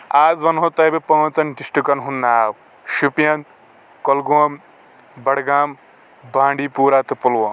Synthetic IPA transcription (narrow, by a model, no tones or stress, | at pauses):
aːzʋɐnɦot̪ɐbepɐ̃ːt͡sɐnɖisʈukɐnɦunːaːw | ʃupijɐn | kɔlɡuɐm | bɐɽɡaːm | bãːɳɖiːpuːɾaːt̪ɨpulʋoː